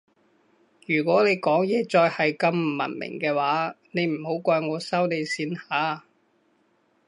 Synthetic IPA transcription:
jyː˨˩kʷɔː˨˥ne˨˧jkɔː˨˥ŋjɛː˨˧t͡sɔː˧jhɐ˨jkɐ˧mm̩˨˩mɐ̰˨˩nmɪ̰˨˩ŋkɛː˧waː˨˥ | ne˨˧jm̩˨˩ho˨˥wkʷaː˧jŋɔː˨˧sɐ˥wne˨˧jsiː˨˧˥nhaː˨˥

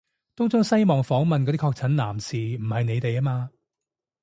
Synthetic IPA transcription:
t̪o˥wt͡sʊ˥ŋsɐ˥jmɔː˨˩ŋfɔː˨˥ŋmɐ˨nkɔː˨˧i˥kʰɔː˧k̚t͡sʰɐ˨˥nlaː˨˩msiː˨m̩˨˩hɐ˨jne˨˧jt̪e˨jɐ˥maː˧

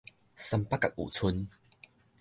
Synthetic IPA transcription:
sa˧mpa˦˥kːa˨k̚ʔṵː˨˩t͡sʰu˧n

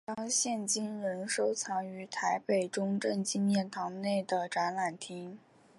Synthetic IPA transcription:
t̪ɑ˥ŋɕjɛ˥˩nt͡ɕi˥nɻə˧˥nʂo˥ʊt͡sʰɑ˧˥ŋy˧˥t̪ʰa˧˥ɪpe˨˩ɪʈ͡ʂʊ˥ŋʈ͡ʂə˥˩ŋt͡ɕi˥nmjɛ˥˩nt̪ʰɑ˧˥ŋne˥˩ɪd̪ə˩ʈ͡ʂa˧˥nla˨˩nt̪ʰi˥ŋ

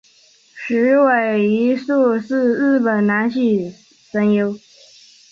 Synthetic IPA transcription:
ʂɻ̩˧˥we˨˩ɪi˧˥ʂu˥˧ʂɻ̩˥˧ɻ̩˥˩pə˨˩nna˧˥nɕi˨˩ | sə˧˥njo˥ʊ

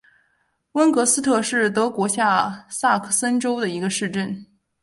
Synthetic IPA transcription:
wə˥nkɤ˧˥sɹ̩˥t̪ʰɤ˥˧ʂɻ̩˥˩t̪ɤ˧˥kwɔ˧˥ɕja˥˩sa˥˩kʰə˥˩sə˥nʈ͡ʂo˥ʊd̪ə˨i˧˥ɡə˧ʂɻ̩˥˧ʈ͡ʂə˥˩n

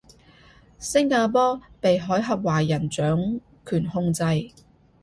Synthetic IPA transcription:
sɪ˥ŋkaː˧pɔː˥pe˨jɦɔː˨˥jɦɐ˨p̚waː˨˩jɐ˨˩nt͡ʃœː˨˥ŋ | kʰyː˨˩nhʊ˧ŋt͡sɐ˧j

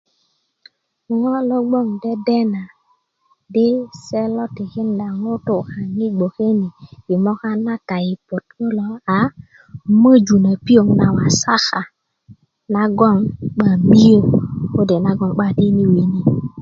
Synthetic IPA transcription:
ŋo˦lo˦ɡ͡bo˦˨ŋde˦de˦na˨ | di˦se˦lo˦ti˨ki˦nda˨ŋo˦tu˨ka˨ŋi˦ɡ͡bo˨ke˦ni˨ji˨mo˦ka˦na˦ta˨ji˨po˨t̚ko˦lo˨a˨ | mə˦d͡ʒu˨na˨pi˦o˨ŋna˨wa˨sa˦xa˨ | na˦ɡo˦˨ŋɓa˨mi˦jo˦ko˦de˨na˦ɡo˦ŋɓa˦di˦ni˦wi˨ni˦

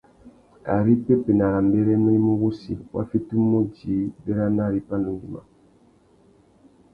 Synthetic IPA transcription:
a̰˨ɾi˦pe˦pe˨na˨ɾa˨mbe˦ɾe˦mi˦ɾi˦mu˦ɣu˦sḭ˨wa̰˦fi˦tu˦mo˦d͡ʒi˨˦be˦ɾa˦na˦˨ɾi˦pa˦nu˨nɡi˨ma̰˨

